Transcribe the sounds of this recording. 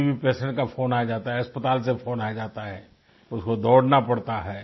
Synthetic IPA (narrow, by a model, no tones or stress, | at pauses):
bʱipɛːsɛ̃ɳʈkafoːnaːd͡ʒaːt̪aɦɛɐspət̪aːlsefoːnaːd͡ʒaːt̪aɦɛː | ʊskod̪ɔːɽnapɐɽt̪aɦɛː